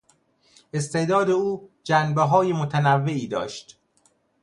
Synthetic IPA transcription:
ʔest̪e̞ʔd̪ɒːd̪e̞uːd͡ʒænbeɦɒːjemot̪ʰænævːe̞iːd̪ɒ̰ːʃt̪

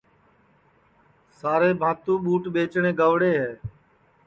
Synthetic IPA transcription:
saːɾeːbʱãːt̪ũːɓuːʈɓeːt͡ʃɳẽːɡəʋɽeːɦɛː

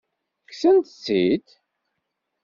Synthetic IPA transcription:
ksənt̪t͡sːid̪

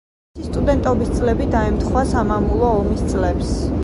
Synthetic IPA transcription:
ist̪ʼud̪ɛnt̪ʼɔbist̪sʼlɛbid̪aɛmt̪ʰχwasamamulˠɔːmist̪sʼlɛps

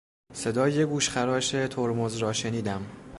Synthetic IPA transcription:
se̞d̪ɒːjeɡuːʃχæɾɒːʃet̪ʰoɾmozɾɒːʃe̞niːd̪æm

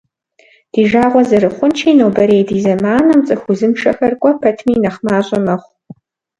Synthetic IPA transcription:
d̥iːʒaːʁʷɔzɐɾɨχʷʊnt͡ʃʰiːnowbɐɾejdiːzɐmaːnɐmt͡sʼɨxʊzɨmʈ͡ʂʰɐxɐrkʷʼɔpʰɐtʰmiːnɐχmaːɕʼɪmɐχʷ

